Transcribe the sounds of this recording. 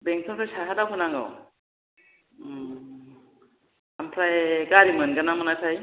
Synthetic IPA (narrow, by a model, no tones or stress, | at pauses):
beŋtʰamtasaɦadawkʰɯnaŋɡa̰w | ampʰɾajɡaɾimɯnɡɯnamɯnasʰaj